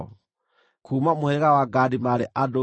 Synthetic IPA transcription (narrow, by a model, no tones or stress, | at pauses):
kʰuːmamohɛɾeɣawaɡadimaɾeʔado